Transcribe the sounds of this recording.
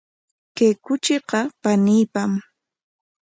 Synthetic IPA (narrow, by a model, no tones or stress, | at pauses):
kejkʊt͡ʃɪqɑpaniːpam